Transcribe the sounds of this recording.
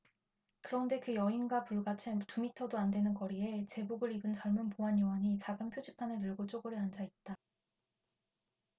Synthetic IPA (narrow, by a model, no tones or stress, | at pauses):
kɯɾʌnde̞kɯjʌinɡwapuɭɡat͡ɕʰetumitʰʌdoandwe̞nɯnkʌɾie̞t͡ɕe̞buɡɯɾibɯnt͡ɕʌɭmunpoɦanjʌwʌɲit͡ɕaɡɯnpʰjod͡ʑipʰanɯɾiɭɡot͡ɕ͈oɡɯɾɯand͡ʑait̚t͈a